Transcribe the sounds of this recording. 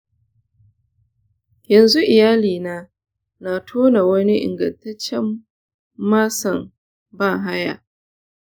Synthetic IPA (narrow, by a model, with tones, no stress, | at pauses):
jɐ˨nzu˦ʔɪ˨jaː˦liː˨naː˦ | na˨tʰoː˦na˨wɐ˦ni˦ʔɪ̰˨ŋɡɐ̰˨ntɐ˦t͡ʃːɛ˦mː | aː˦sɐ˨m | ba˦˨ɦa˦ja̰˨